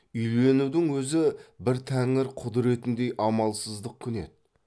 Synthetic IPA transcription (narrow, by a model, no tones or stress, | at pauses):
ʏjle̞nud̪ɪŋwɵzɪbɪɾt̪ʰæŋɪɾqʰʊd̪ɾe̞t̪ɪnd̪e̞jʔɑmɑlˠsəzd̪əq̚kʲʰʏne̞̰t̪̚